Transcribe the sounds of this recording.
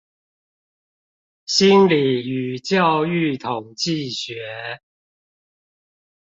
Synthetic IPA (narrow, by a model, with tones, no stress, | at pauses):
ɕi˦˥nli˨˩y˨˩t͡ɕjɑ˥˧ʊy˥˨t̪ʰʊ˨˩ŋt͡ɕi˥˨ɕɥɛ˨˦